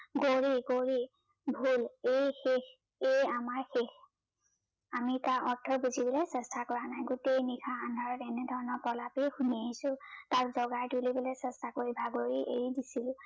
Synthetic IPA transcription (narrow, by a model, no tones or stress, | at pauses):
ɡoɹiɡoɹi | bʱulejxek | ejamaɹxex | amitaʔɔtʰːɔbuzibɔlesɛstʰakɔɹanajɡutejnikʰaːnʱaɹɔtɛned̪ʱɔɹɔnɔpɔlapejxunieisʊ̃taɹzɔɡajtulibɔlɔjsɛstʰakoɹibʱaɡoɹiʔḛɹidisilʊ̃